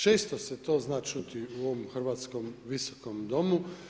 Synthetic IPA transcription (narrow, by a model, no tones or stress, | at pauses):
t͡ʃeːst̪oset̪o̞ːznaːt͡ʃut̪iuoʋomxr̩ʋaːt̪skomʋiso̥komd̪o̞mu